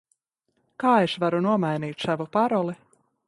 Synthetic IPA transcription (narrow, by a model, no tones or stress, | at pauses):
kaːeʃvaɾunuɔmajniːt̪ʲsavupaɾɔlˠi